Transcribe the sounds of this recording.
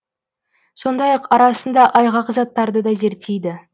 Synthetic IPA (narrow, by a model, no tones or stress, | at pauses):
so̞nd̪ɑjɑqɑɾɑsənd̪ɑʔɑjʁɑqəzɑt̪ːɑɾd̪əd̪ɑze̞ɾt̪ejd̪ɪ